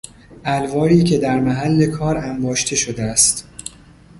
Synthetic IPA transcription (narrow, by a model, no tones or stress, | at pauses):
ʔælvɒːɾiːcʰe̞d̪æɾmæɦælːe̞kʰɒːɾæmbɒːʃt̪ʰe̞ʃo̞d̪eæst̪